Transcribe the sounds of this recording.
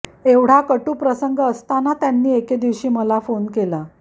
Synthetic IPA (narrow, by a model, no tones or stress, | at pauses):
eʋɽ̤akəʈuːpɾəsəŋɡəst̪anat̪janːiːeked̪iʋɕiːməlafonkela